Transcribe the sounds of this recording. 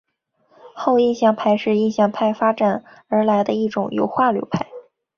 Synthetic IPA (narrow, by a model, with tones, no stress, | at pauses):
xo˥˧ʊi˥˧nɕjɑ˥˩ŋpʰa˥˩ɪʂɻ̩˥˧i˥˧nɕjɑ˥˩ŋpʰa˥˩ɪfa˥ʈ͡ʂa˨˩n | ə˞˧˥la˧˥ɪd̪ə˧i˥˩ʈ͡ʂʊ˨˩ŋjo̰˧˥ʊxwa˥˩ljo̰˧˥ʊpʰa˥˩ɪ